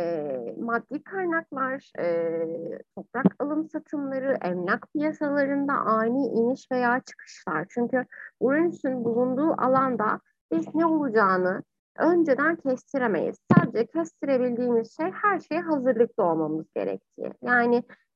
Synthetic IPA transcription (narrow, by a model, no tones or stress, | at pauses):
ɛmad̪ːiːkʰaɾnaklˠaɾɛːt̪ʰo̞pɾakʰalˠɯmsat̪ʰɯmlˠaɾɯʔɛmnʲakpʰijasalˠaɾɯnd̪a̰ʔaːniʔiniʃve̞jaːt͡ʃʰɯ̥kʰɯ̥ʃlˠa̰ɾ̥t͡ʃʰyɲcybuɾunysʰynbulˠund̪uːʔa̰lˠand̪a | b̥iznɛolˠud͡ʒaːnɯ | ønd͡ʒed̪æncʰɛst̪ʰiɾeme̞̰jḭz̥saːd̪e̞d͡ʒɛcʰɛst̪ʰiɾe̞bilʲd̪iːmiz̥ʃejhæɾʃejɦazɯɾlˠɯk̚lˠao̞lˠmamɯzɟḛɾɛ̰c̚t̪ʰḭːjaːnɪ